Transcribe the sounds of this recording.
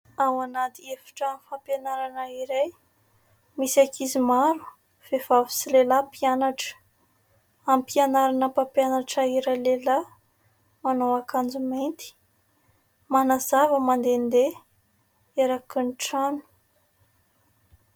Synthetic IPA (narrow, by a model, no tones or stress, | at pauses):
awanat̪iefḁʈ͡ʂəamfampjanaɾanəiɾaj | misakizimaɾu̥ | v̥ev̥avi̥silelapianaʈ͡ʂə̥ | ampianaɾanəpapjanaʈ͡ʂaiɾalela | manowakʰand͡zumejnt̪i̥ | manazavəmand̪end̪e | eɾakunʈ͡ʂanu̥